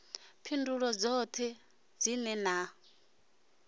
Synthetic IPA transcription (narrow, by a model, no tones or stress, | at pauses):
pʰinduɺɔd͡zɔt̪ʰɛ | d͡zinɛna